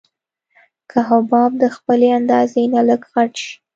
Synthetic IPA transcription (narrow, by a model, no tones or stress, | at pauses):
kʰaɦabɑb̚d̪əxpəleand̪ɑzenaləɡɣaʈʃi̥